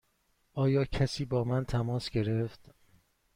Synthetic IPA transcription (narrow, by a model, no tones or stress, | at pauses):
ʔɒːjɒːcʰæsiːbɒːmænt̪ʰæmɒːsɡe̞ɾe̞ft̪